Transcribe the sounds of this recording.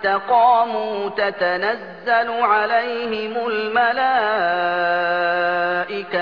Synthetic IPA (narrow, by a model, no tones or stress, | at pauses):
t̪aqɑːmuːt̪at̪anazːalʊʕalajhɪmʊlmalaː | ʔɪka